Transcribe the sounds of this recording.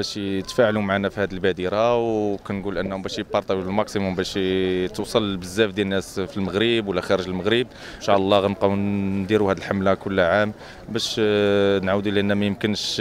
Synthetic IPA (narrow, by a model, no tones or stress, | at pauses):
bæʃt̪fæʕlumʕanæfihæd̪əlbæd̪iɾawkænɡulʔənːhʊmbæʃjpːɑɾˤt̪æwilmɑqsimʊmbæʃt̪əwsˤɑlːbəzːæfd̪jænːæsfilməɣɾəbwəlːæxæɾəʒləlməɣɾəb̚ | ʃɑʕlˤːɑɣænqɑwnnd̪iɾuhæd̪əlħamlækʊlːʕam | bæʃ | nʕawəd̪uʔlæʔənːæmæjəmkənʃ